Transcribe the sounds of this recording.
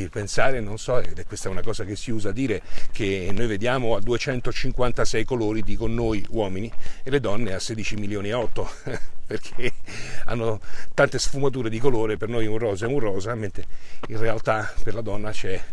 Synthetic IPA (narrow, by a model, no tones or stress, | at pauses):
ipensaːɾenonsɔɛd̪ɛkːwest̪aɛunakɔːzakesːiuːzad̪iːɾek̟ʰenːojved̪jaːmoad̪ːuet͡ʃɛnt̪ot͡ʃiŋkwant̪asɛjkoloːɾid̪ikonːoːjwɔːminieled̪ɔnːeasːeːd̪it͡ʃimiljoːniaɔt̪ːoperkʰea̰nːot̪ant̪esfumat̪uːɾed̪ikoloːɾepernojɛunrɔːzɛunrɔːzament̪einrealt̪aperlad̪ɔnːat͡ʃɛ